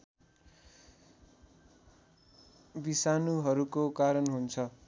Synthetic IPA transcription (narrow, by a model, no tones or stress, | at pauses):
bisanuɦʌɾukokaɾʌnɦunt͡sʰʌ